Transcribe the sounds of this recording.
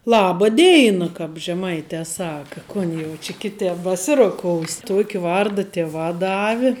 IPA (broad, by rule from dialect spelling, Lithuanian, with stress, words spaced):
ˈlˠɑːbɐ ˈdʲeːɪnɐ kɐp ʒʲɛˈmɐɪtʲɛ ˈsɑːkɐ ˈkoːn jɛʊ t͡ʃʲɪ ˈkʲɪˌtʲɛp bɐˈsʲɪroːˌkoːʊsʲ ˈtuɔkʲɪ ˈʋɐrdɐ ˈtʲɪˌʋɑː ˈdɑːʋʲɪ